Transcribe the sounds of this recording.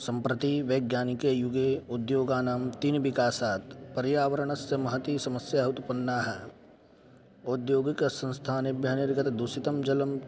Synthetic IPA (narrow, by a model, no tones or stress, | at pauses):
sɐ̃mpɾɐt̪iʋeːɡjaːnikejuɡeːʊd̪joːɡaːnaːmt̪inʋɪkaːsaːt̪pɐɾjaːʋɐɾɐɳɐsjɐmɐɦɐt̪isɐmɐsjaːɦut̪upɐnːaːɦɛː | ʊd̪joːɡiksɐ̃nst̪ʰaːnibjɐneɾɪkɐt̪d̪usit̪ɐmd͡ʒɐlɐm